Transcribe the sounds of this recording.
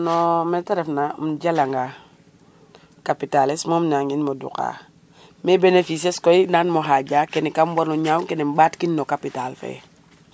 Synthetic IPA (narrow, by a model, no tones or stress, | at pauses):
nometaɾefnamɟalaŋɡa | kapitalismomnaŋinmodṵka̰ | mebenefis̬eskoinanmoɦaɟaːkenikambonuɲawuŋkenembatkinːokapitalfḛ